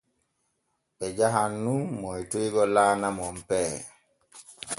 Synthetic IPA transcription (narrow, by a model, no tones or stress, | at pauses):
ɓɛd͡ʒaɦanːumɔjtujɡɔlaːnamɔmpɛː